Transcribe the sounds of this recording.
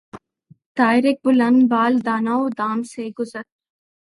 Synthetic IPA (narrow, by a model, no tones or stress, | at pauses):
t̪aːɪɾek̚bʊlɐnbaːld̪aːnaːod̪aːmseɡʊzəɾ